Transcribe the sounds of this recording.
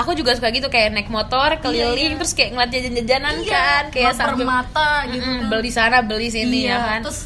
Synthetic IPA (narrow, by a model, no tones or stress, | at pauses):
akud͡ʒuɡasukajɡit̪ukajanɛk̚mot̪ɔrkəlilɪŋt̪ɾʊskajaʔŋəlat̪̚d͡ʒad͡ʒand͡ʒad͡ʒanankankajaʔsaərmat̪aɡimbəlisanabəlɪs̬inijakanʊs